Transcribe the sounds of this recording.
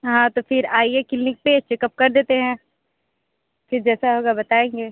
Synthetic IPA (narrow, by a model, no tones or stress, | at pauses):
ɦãːt̪ofʰɪɾaːiekɪlnɪk̚peːt͡ʃɪkəp̚kɐɾd̪eːt̪eɦɛ̃ː | fɪɾd͡ʒɛːsaɦoːɡabɐt̪aːẽːŋɡeː